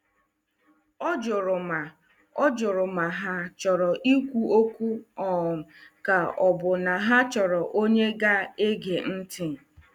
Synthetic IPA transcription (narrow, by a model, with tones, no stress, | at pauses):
ɔ˦d͡ʒʊ˨ɾʊ˨ma˨ | ɔ˦d͡ʒʊ˨ɾʊ˨ma˨ɦa˦t͡ʃɔ˨ɾɔ˨ʔi˦kʷu˦o˦kʷu˦ɔ˨m̩˨ka˨ɔ˨bʊ˨na˨ɦa˦t͡ʃɔ˨ɾɔ˨ʔo˦ɲe˦ɡa˦e˦ɡe˨n̩˦tɪ˦˨